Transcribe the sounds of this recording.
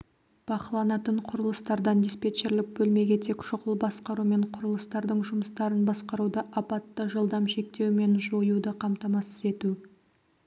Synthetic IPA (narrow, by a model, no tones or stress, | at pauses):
b̥ɑqəlˠɑnɑt̪əɴqʰʊɾəlˠəst̪ɑɾd̪ɑnd̪espe̞t͡ʃeɾlɪk̚bɵlme̞ɡʲe̞t̪ʰe̞kʃʊqəlˠbɑsqɑɾume̞ɴqʰʊɾəlˠəst̪ɑɾd̪əɴʒʊməst̪ɑɾənbɑsqɑɾud̪əʔɑpɑt̪ːəʒəlˠd̪ɑmʃe̞k̚t̪e̞wme̞nʒo̞jud̪əqʰɑmt̪ɑmɑsəze̞t̪u